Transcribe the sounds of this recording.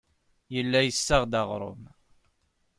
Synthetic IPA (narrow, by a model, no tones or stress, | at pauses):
jəlːæjəsːəʁd̪ɑʁɾˤʊ̰m